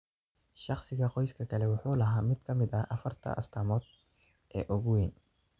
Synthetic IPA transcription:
ʃɑχsɪɣɐqɔjskʰɐkʰɐlɛwʊħuːlɐɦaːmɪd̪̚kʰɐmɪd̪ɐʔɐfɐrt̪ʰɐ̰ʔɐ̰st̪ʰɐːmɔːd̪ | ʔɛ̰ːʔɔɣʊwɪn

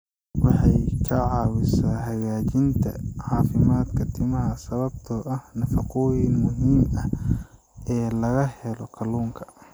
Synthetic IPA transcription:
wɑħɑjkʰɐʕɑːwɪsaːɦɐɣaːt͡ʃɪnt̪ʰɐ̰ʕɑːfɪmaːd̪kʰɐt̪ʰɪmɐɦɐsɐβɐbt̪ʰɔʔɐhnɐfɑqɔjɪnmʊɦiːmɐ | ɛːlɐɣɐhɛlɔkʰɐluːŋkʰɐ̥

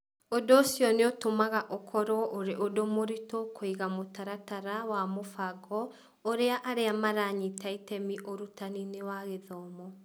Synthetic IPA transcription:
odosjɔneotomaɣaʔokʰɔɾɔʔoɾeʔodomoɾitokʰoiɣamotaɾataɾawamofaɡɔ | oɾeaʔaɾeamaɾaɲitaitɛmiʔoɾutaninewaɣeðɔːmɔ

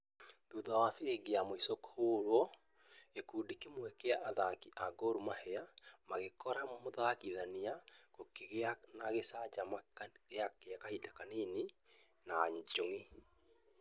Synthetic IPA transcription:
ðuðawaθiɾeɡeamoisokhoːɾwɔ | ekuːdikemwɛkeaʔðakiʔaɡoɾumahɛamaɣekɔɾammoðakiðaniakokeɣanaɣesad͡ʒamaɣeakeakahidakaneni | naɲd͡ʒoŋi

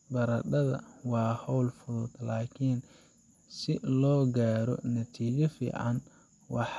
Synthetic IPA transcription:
bɐɾɐɖɐðɐ̰wɑːhɔwlfʊðʊd̪laːkʰin | sɪlɔːɡaːɾɔnɐt̪ʰiːt͡ʃɐfḭːʕɑn | wɑħ

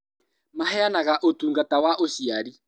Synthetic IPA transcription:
maɦɛanaɣaʔotuːŋɡatawaʔoɕiaɾi

